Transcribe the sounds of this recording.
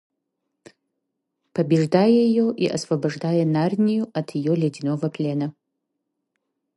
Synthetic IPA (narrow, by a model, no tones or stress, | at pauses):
pʰɐbʲɪʐdaːjɐjijoʔiʔɐ̰svɐbɐʐdaːjɐnarnʲijuɐtʰjijolʲedinovɐpʰlʲenɐ